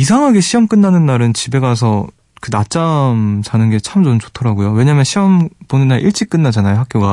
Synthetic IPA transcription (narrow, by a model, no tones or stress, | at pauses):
isʰaŋɦaɡe̞ɕʰiʌmk͈ɯnːanɯnːaɾɯnt͡ɕibe̞ɡas̬ʰʌ | kɯnat͡ɕ͈amt͡ɕanɯnɡe̞t͡ɕʰamt͡ɕont͡ɕotʰʌɾaɡujowe̞ɲamjʌnɕʰiʌmponɯnːaɾʔiɭt͡ɕ͈ik͈ɯnːad͡ʑanajoɦak͈joɡa